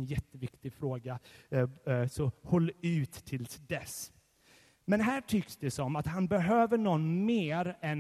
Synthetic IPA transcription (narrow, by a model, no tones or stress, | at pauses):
njɛt̪ːəvɪkt̪ɪfɾoːɡa | sɔhɔlːʉ̟ːt̪ːʰɪlsd̪ɛs | mɛnɦæːʈʰʏksd̪ɛsɔmat̪hanbɛɦøːvəɳɔnːmeːɾɛn